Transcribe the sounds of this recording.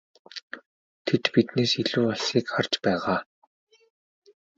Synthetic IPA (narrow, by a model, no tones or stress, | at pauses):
t̪ʰet̪pit̪neːsiɮuːɔɮsiːkχart͡ɕpæːʁaː